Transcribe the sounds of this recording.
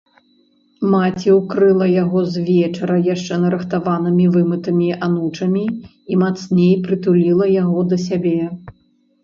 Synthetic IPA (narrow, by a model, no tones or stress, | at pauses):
mat͡sʲiwkɾɨlˠɐjaɣɔzʲvʲɛt͡ʂɐɾɐjaʂt͡ʂɛnɐɾɐxt̪avanɨmʲivɨmɨt̪ɐmʲiʔanut͡ʂɐmʲi | imat̪snʲejpɾɨt̪ulʲilˠɐjaɣɔd̪ɐsʲabʲɛ